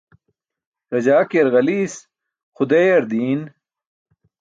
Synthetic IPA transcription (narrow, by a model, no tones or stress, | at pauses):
ɾɐd͡ʑaːkeɾɣɐliːs | xud̪eːjɐɾd̪iːn